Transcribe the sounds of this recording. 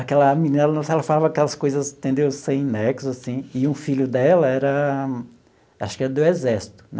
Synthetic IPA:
akɛlɐmininɐɛlɐnɐ̃sɛlɐfalavɐakɛlɐskojzɐz̃t̪ẽnd̪ewsẽj̃nɛksʊzasĩɪũfiʎʊd̪ɛlɐɛɾɐ | aʃʊ̥kɪɛɾɐd̪ʊɛzɛɾsi̥t̪ʊ̥nɛ

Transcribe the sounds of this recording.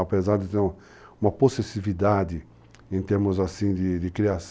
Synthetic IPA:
apezaɾd̪ɪt̪eɾũ | ũmɐposesivid̪ad̪ɪ | ẽt̪eɾmʊzasĩd̪ɪd̪ɪkɾias

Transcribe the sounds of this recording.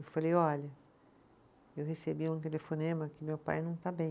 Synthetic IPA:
ewfalejɔlʲɐ | ewhesebiũt̪elefonẽmɐkɪmewpa̰jnɐ̃w̃t̪abẽ

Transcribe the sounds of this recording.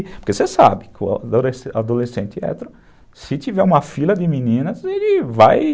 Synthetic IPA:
poɾkesesa̰bɪkʊ̰esad̪olesẽnt̪ɪɛ̰t̪ɾʊ | sɪt͡ʃ̪ivɛũmɐfilɐd̪ɪmĩnĩnɐzelɪvaj

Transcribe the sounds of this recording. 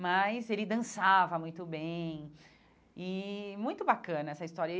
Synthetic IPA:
mɐjzelɪd̪ɐ̃savɐmũj̃t̪ʊbẽj̃ | ɪmũj̃t̪ʊbakɐ̃nɐɛsɐist̪ɔɾjɐ

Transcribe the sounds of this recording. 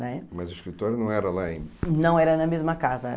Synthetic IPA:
nɛmɐzʊiʃkɾit̪ɔɾjunɐ̃w̃ɛɾɐlaẽnɐ̃w̃ɛɾɐnɐmezmɐkazɐ

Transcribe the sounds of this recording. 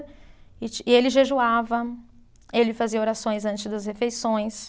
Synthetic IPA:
ɪt͡ʃɪelɪʒeʒuavɐ | elɪfaziɐoɾasõj̃zɐ̃nt͡ʃɪzd̪ɐshefejsõj̃s

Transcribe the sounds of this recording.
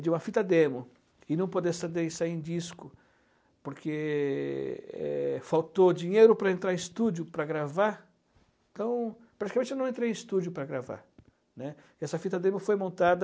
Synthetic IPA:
d͡ʒɪũmɐfit̪ɐd̪ẽmʊ | ɪnɐ̃w̃pod̪esad̪esaiẽd͡ʒiskʊ | poɾkʰe | ɛ̰fawt̪od͡ʒĩɲejɾʊpɾɐẽnt̪ɾaɾẽɪst̪ud͡ʒʊpɾɐɡɾava | ẽt̪ɐ̃w̃ | pɾat͡ʃi̥kamẽnt͡ʃɪnɐ̃wẽnt̪ɾejẽst̪ud͡ʒjʊpɾɐɡɾava̰ɾ | nɛ | ɛsɐfit̪ɐd̪ẽmʊfojmõnt̪ad̪ɐ

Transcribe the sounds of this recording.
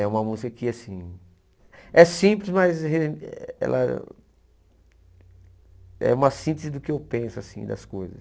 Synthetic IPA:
ɛũmɐmuzikɐkɪasĩ | ɛsĩplɪzmɐjzheɛ̰lʔɐ̰ | ɛ̰ũmɐsĩnt̪ezɪd̪ʊkɪewpẽsʊasĩd̪ɐ̰skojzɐ̰s

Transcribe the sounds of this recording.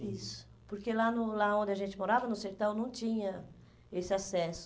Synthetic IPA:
isʊ̥ | poɾkelanʊlaõnd̪ɪaʒẽnt͡ʃ̪ɪmoɾavɐnʊseɾt̪awnɐ̃w̃t͡ʃĩɲɐ | esɪasɛsʊ̥

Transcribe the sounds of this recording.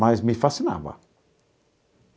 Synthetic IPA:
ajzmifasəna̰ba̰

